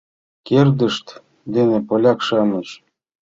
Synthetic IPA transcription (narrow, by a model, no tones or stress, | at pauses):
kerd̪ə̆ʃt̪ | d̪enepolʲɑkʃɑmɤ̆t͡ɕ